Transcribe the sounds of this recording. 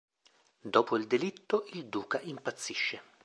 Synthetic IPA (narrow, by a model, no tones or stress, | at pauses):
d̪ɔːpoild̪elit̪ːoʔild̪uːkaʔimpat̪sːiʃːe